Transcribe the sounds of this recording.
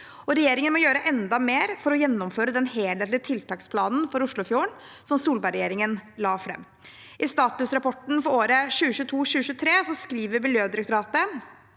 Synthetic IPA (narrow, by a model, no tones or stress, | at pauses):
ɔɾɛjeːɾɪŋənmɔjøːɾəʔɛnd̪ɑmeːɾfɔɾɔjɛnːɔmføːɾəd̪ɛnheːleːt̪lɪt̪ʰɪlt̪ʰɑːkspʰlɑːnn̩fɔɾʊʂɭʊfjuːɳ | sɔmsuːlbæɪɾɛjeːɾɪŋənlɑːfɾɛ̰mː | ʔɪst̪ɑːt̪ʉsɾɑpʰɔʈɳ̩fɔɾoːɾəɕʉːəɕʉːət̪ʰuːɕʉːəɕʉːət̪ʰɾeːsɔskɾiːʋəɾmɪljøːd̪ɪɾɛk̚t̪ʊɾɑːt̪ə